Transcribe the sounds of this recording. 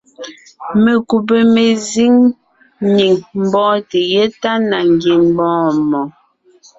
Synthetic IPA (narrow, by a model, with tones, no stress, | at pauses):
me˨ku˨p̬e˨me˨zi˦ŋ | ɲi˨ŋm̩˨bɔ̃ː˦te˨je˦ta˦na˨ŋɡi˨m̩˦bɔ̃ː˦mɔ˨